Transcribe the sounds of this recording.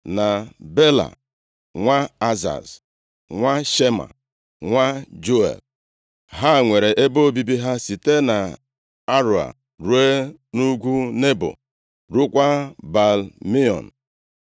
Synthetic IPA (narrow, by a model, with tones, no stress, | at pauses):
na˨be˦la̰˨ | ŋʷa˦a˦za̰˨z | ŋʷa˦ʃe˦ma̰˨ | ŋʷa˦d͡ʒo˦ḛ˨b̚ | ɦa˦˨ŋʷe˨ɾe˨ʔe˦bo˦o˦˨bi˦bi˦ɦa˦si˨te˦na˨ | a˦ɾo˨a̰˨ | ɾu˦e˦nu˦ɡʷu˦ne˦bo̰˨ | ɾu˦kʷa˦ba˨lmi˦ɔ̰˨n̩˨